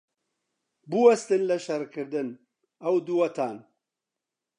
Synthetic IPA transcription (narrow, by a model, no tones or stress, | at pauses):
buwɐst̪ɨnlɐʃɐɾkʰɨɾd̪ɨn | ɐwd̪uwɐt̪ʰaːn